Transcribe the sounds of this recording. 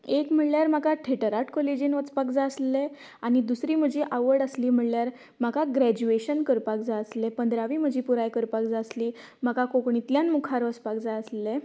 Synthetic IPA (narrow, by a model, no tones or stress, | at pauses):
ekm̤əɳljaɾmakaʈʰeʈəɾaʈkolid͡ʑinʋət͡spakd͡zaəsle | aɽ̃id̪usɾiːm̤əd͡ʑʱiʔaʋəɾɽəsliːm̤əɭljaɾ | m̤akaɡɾæd͡ʑueɕənkəɾpak̚d͡zaəslepənd̪ɾaʋiːm̤əd͡ʑʱiːpuɾajkəɾpakd͡zasliː | m̤akakokɳit̪ljanmukʰaɾʋət͡spakd͡zaəsle